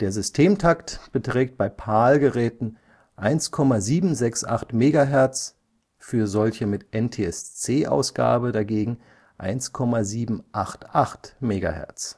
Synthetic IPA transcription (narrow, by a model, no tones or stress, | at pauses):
d̥eːɐzʏstʰeːmtʰaktb̥ətʁ̥ɛːk̚t̚b̥aɪpʰaːlɡəʁɛːtn̩ | ʔaɪnskʰɔmaziːbm̩zɛksʔa̰χtmeːɡaɦɛɐt͡s | fyːɐzɔlçəmɪtʔɛntʰeːɛst͡seːʔa̰ʊsɡ̥a̰ːbədaɡeːɡŋ̩ | ʔa̰ɪnskʰɔmaziːbm̩ʔaχtʔaχtmeːɡa̰hɛ̰ɐt͡s